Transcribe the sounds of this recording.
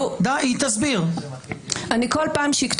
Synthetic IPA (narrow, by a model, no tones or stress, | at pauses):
d̪aʔit̪azbiʁ | ʔanikolpaːmʃikt̪